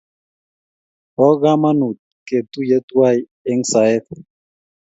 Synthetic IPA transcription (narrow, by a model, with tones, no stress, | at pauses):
bɔ˦ɣa˦ma˦nu˨t̪̚ke˨t̪u˦je˦t̪wa˦˨j | ɛ˦ŋsa˨ɛ˦t̪̚